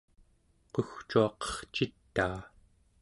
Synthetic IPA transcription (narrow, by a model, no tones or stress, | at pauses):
qoxt͡ʃuɑqʌ̥χt͡ʃit̪ːaː